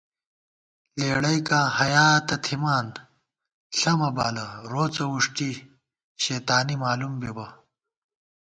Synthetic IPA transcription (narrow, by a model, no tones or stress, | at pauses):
leːɽɐjkãːhɐjaːt̪ɐt̪ʰimaːn | ɬɐmɐbaːlɐɾoːt͡sɐwuʂʈi | ɕeːt̪aːnimaːlumbebɐ